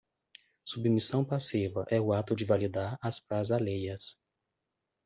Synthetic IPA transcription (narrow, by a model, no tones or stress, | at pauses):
submisɐ̃w̃pasivɐʔɛʊat̪ʊd͡ʒɪvalid̪aɾaspɾazalejɐs